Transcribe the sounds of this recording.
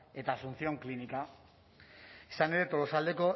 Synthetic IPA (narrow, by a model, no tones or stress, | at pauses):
e̞t̪aːsunt͡sio̞ŋklinika | isane̞ɾe̞t̪o̞lo̞sald̪e̞ko̞